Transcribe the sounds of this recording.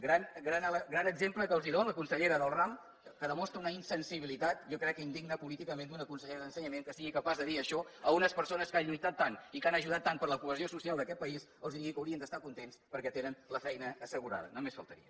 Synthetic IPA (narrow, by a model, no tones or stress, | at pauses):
ɡɾanɡɾanləɡɾanəɡzempləkəlziðomləkunsəʎeɾəðəlˠram | kəðəmɔst̪ɾəunəinsənsiβilit̪at̪̚jɔkɾɛkːəind̪iɡnəpulit̪ikəmend̪unəkunsəʎeɾəðənsəɲəmenkəsiɣikəpazðəðiəʃɔəunəspəɾsonəskaɲuit̪at̪ːanikanəʒuðat̪ːanpəɾləkuəziosusialˠd̪əkɛt̪̚pəisəlˠziðiɣikəwɾiənd̪əst̪akunt̪enspəɾkɛt̪enənləfɛjnəːsəɣuɾa̰ðə̰nomesfəlˠt̪əɾḭə